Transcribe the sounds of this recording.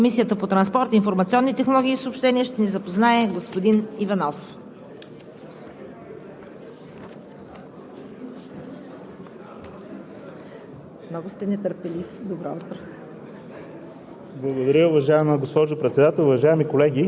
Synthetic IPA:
misiət̪əpot̪ɾɐnspɔɾt̪infoɾmɐt̪siɔnːit̪ɛxnolˠɔɡʲiːsoːpʃt̪ɛniɛʃt̪ɛnizɐpoznaɛɡospod̪inivɐnɔf | mnɔɡʊst̪ɛnɛt̪əɾpɛlifd̪obɾaut̪ɾo | blˠɐɡod̪ɐɾʲəʊvɐʒaɛməɡospɔʒʊpɾɛt̪sɛd̪at̪ɛlˠʊvɐʒaɛmikolɛɡʲi

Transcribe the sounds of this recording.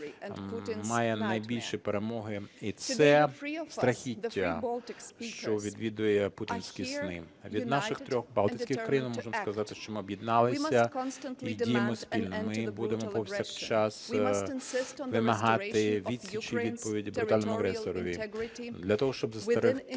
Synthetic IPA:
mːɑjɛnɐjbʲilʲʃipeɾemɔɦɪit̪sɛst̪ɾɐxʲitʲːɐ | ʃt͡ʃɔʋʲid̪ʋʲid̪ʊjɛputʲinsʲkʲisnɪ | ʋʲid̪nɑʃɪxt̪ɾʲɔxbɑlˠɪsʲkʲɪkɾɐjinmɔʒɪmskɐzɑt̪ɪʃt͡ʃɔmɪɔbjɪd̪nɑlˠɪsʲɐidʲijemɔspʲilʲnɔmɪbud̪emɔpɔwsʲɐxt͡ʃɑs | ʋɪmɐɦɑt̪ɪʋʲid̪ʲsʲit͡ʃiʋʲid̪̚pɔʋʲidʲibɾʊt̪ɑlʲnɔmʊɐɦɾɛsɔɾɔʋʲid̪lʲɐt̪ɔɦɔʃt͡ʃɔbzɐst̪ɐɾɪx

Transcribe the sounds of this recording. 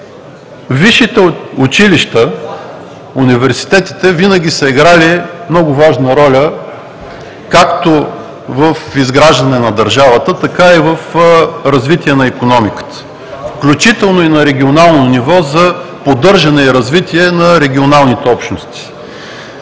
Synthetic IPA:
viʃit̪ɛʊt͡ʃiliʃt̪ə | univɛɾsi̥t̪ɛt̪i̥t̪ɛvinəɡ̟ʲisɐiɡɾalimnɔɡʊvaʒnəɾɔlʲə | kakt̪o | vəfizɡɾaʒd̪ɐnɛnɐd̪ɐɾʒavət̪ət̪ɐkaivəfɾɐzvit̪iɛnɐikonɔmikə̥t̪ə̥ | fklʲut͡ʃit̪ɛlˠnoinɐɾɛɡʲionalˠnonivɔzɐpod̪ɤɾʒɐnɛiɾɐzvit̪iɛnɐɾɛɡʲionalˠnit̪ɛɔpʃnost̪i̥

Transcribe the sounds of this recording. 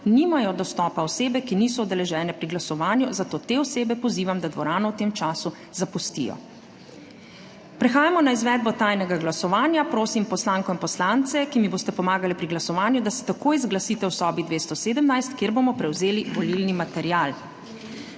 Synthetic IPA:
nimajɔd̪ɔst̪ɔːpaɔseːbɛkiniːs̬ɔɔd̪ɛlɛʒɛːnɛpɾiɡlasɔʋaːnjuzat̪oːt̪eɔseːbɛpɔziːʋamd̪ad̪ʋɔɾaːnɔwt̪eːmt͡ʃaːsu | zapust̪ḭjɔ̰ | pɾɛxaːjamɔnaizʋɛːd̪̚bɔt̪aːjnɛɡaɡlasɔʋaːnjapɾoːsimpɔslaːŋkɔinpɔslant̪sɛkimiboːst̪ɛpɔmaːɡalɛpɾiɡlasɔʋaːnjud̪asɛ̥t̪akoːjizɡlasiːt̪ɛwsɔːbid̪ʋeːst̪ɔseːd̪əmnajst̪kjeːɾbomɔpɾɛwzeːliʋɔlilnimat̪ɛɾijaːl

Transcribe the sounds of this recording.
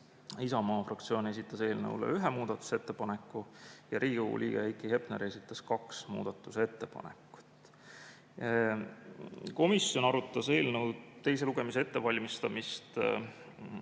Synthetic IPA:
isɑmɑːfrɑk̚t̪sijo̞ːne̞s̬it̪ːˑɑse̞ːlnə̰ulḛyɦemuːd̪̥ɑt̪ːˑu̥set̪ːe̞pɑne̞kːˑujɑɾʔiːɡiowṵlʔḭːɡ̥eejkˑihe̞pneɾe̞sit̪ːˑɑskɑksmṵːd̪̥ɑt̪ːˑuse̞t̪ːe̞pɑ̰nekːˑu̥t̪ː | ko̞misjo̞nɑɾut̪ːˑɑse̞ːlnəwt̪e̞jse̞luɡ̥e̞mis̬ee̞t̪ːe̞vɑlʲmist̪ɑmist̪

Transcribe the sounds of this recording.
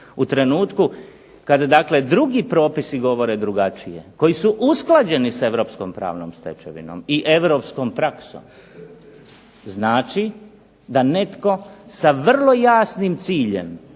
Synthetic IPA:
ut̪ɾe̞nuːt̪ku | kad̪ad̪akle̞d̪ɾuɡipɾo̞ːpisiɡo̞ʋo̞ɾe̞d̪ɾuɡat͡ʃije̞̰ko̞jisuʔusklˠad͡ʑe̞nisae̞ʋɾo̞ːpsko̞mpɾa̰ːʋno̰mst̪e̞̰t͡ʃḛʋḭno̰miʔe̞ʋɾo̞ːpsko̞mpɾakso̰m | znaːt͡ʃi | d̪ane̞t̪ko̞saʋr̩lˠo̞jaːsnimt̪siːʎe̞̰m

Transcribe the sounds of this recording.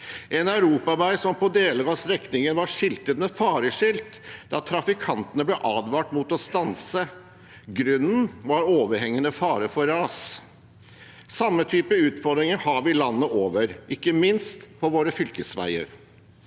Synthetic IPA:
ʔɛnɑʉɾuːpɑʋæɪsɔmpɔd̪eːləɡɑsɾɛknɪŋənʋɑʂɪlt̪ət̪mɛfɑːɾəʂɪlt̪d̪ɑt̪ʰɾɑfɪkʰɑnt̪ənəblɛʔɑːd̪ʋɑːʈmuːt̪ɔst̪ɑnsə | ɡɾʉnːn̩ʋɑɾoːʋəɾhɛŋːənəfɑːɾəfɔɾɑːs | sɑmːət̪ʰyːpəʉːt̪fɔd̪ɾɪŋəɾhɑʋɪlɑnːəʔoːʋəɾʔɪkːəmɪnst̪pʰɔʋoːɾəfʏlkəsʋæ̰ɪə̰ɾ

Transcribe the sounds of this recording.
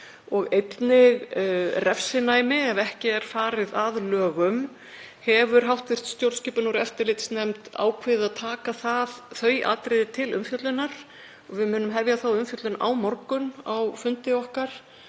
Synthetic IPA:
ɔɣejt̪nɪɣrɛfsɪnaːjmɪɛvɛhcɪɛɾ̥faːɾɪðaðlœːɣʏm | hɛvʏɾ̥ɦawht̪vɪr̥t̪st̪jowlscɪːpʏnuɾɛft̪ɪɾlɪt̪snɛmt̪a̰ːwkʰvɪðɪaðt̪ʰaːkaθaðθœːɥjʔa̰t̪ɾɪðɪt̪ʰɪlʏ̰mfjœt̪lʏnːaɾ̥ | ɔɣvɪmʏːnʏmɦɛvjaθawʏmfjœt̪lʏnʔa̰wmɔɾkʏnawfʏnt̪ɪɔhkaɾ̥

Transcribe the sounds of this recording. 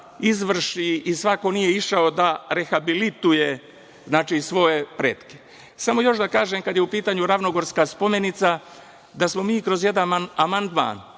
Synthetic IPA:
izʋr̩ʃiisʋako̞nije̞iʃao̞d̪aɾe̞xabilit̪uje | znaːt͡ʃiːsʋo̞je̞pɾeːt̪ke̥ | samo̞jo̞ʃd̪akaːʒeːmkad̪jeupiːt̪aːɲuɾaʋnoɡo̞ɾskaːspo̞menit̪sa | d̪asmo̞miːkɾo̞zje̞d̪ananamand̪ma̰ːn

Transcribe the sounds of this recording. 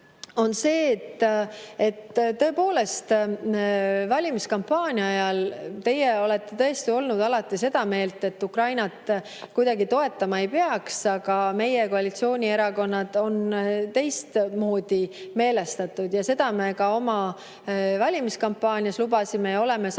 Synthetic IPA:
o̞nse̞ːt̪ːe̞t̪ːt̪ːɤ̞e̞po̞ːle̞st̪ | vɑlʲimiskɑmpːɑːnʲjɑɑjɑlt̪e̞jeo̞le̞t̪ːe̞t̪ɤ̞est̪io̞lnud̪̥ɑlɑt̪ːˑise̞d̪̥ɑme̞ːlt̪ːˑe̞t̪ːukrɑjnɑt̪ | kujd̪̥ɑɡit̪o̞e̞t̪ːˑɑmɑe̞jpeɑksɑɡ̥ɑme̞jeko̞ɑlit̪sio̞ːnʲie̞ɾɑko̞nːɑd̪̥o̞nt̪e̞jst̪mo̞ːd̪̥ime̞ːle̞st̪ɑt̪ːˑud̪̥jɑse̞d̪̥ɑme̞kɑo̞mɑ | vɑlʲimiskɑmpːˑɑːnʲiɑslubɑsime̞jɑo̞le̞me

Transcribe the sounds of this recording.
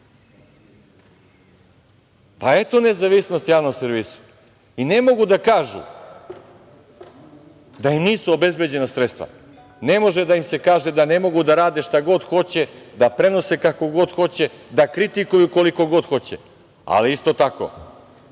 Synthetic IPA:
pae̞t̪o̞nezaʋisnost̪jaːʋnoseɾʋiːsu̥ | ine̞mo̞ɡud̪akaːʒṵ | d̪aimniːsuobe̞zbe̞d͡ʑe̞nasɾet̪st̪ʋa̰ | ne̞mo̞ʒed̪aimse̞kaːʒe̞d̪ane̞mo̞ɡud̪aɾaːd̪eʃt̪aɡo̞d̪xo̞t͡ɕe̞d̪apɾe̞no̞sekako̞ɡo̞d̪xo̞t͡ɕe̞d̪akɾit̪ikujuko̞liko̞ɡo̞d̪xo̞t͡ɕḛ | a̰liist̪o̞t̪ako̰

